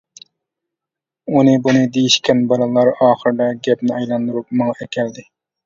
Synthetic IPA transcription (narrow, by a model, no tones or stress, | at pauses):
unɨbunɨd̪ejiʃkʲɛnbɑlˠɨlˠɑɾɑːχəɾd̪ɑɡʲɛpnɪɑjlˠɑnd̪uɾup̚mɑŋɑɛkʲʰɛld̪ɪ